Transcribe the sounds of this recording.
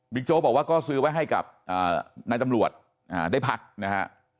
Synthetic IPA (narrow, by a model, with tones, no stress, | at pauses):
mi˦˥t͡ɕoː˦˥bɔː˨˩k̚waː˥˩kɔː˥˩sɯː˧˦˥wa˦˥jɦa˥˩jka̰˨˩p̚ʔa̰ː˨˩na˧jt̪a˧mɾu˨˩ət̪̚ | ʔaː˨˩daː˥˩jpʰa˦˥k̚na˦˥kʰa̰˦˥ʔ